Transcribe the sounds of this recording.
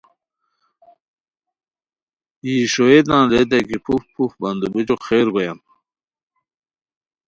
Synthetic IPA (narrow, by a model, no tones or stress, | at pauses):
iːɕoed̪nãːled̪̬eɡipʰufpufbɐnd̪ubud͡ʑoxeːɾɡojɐn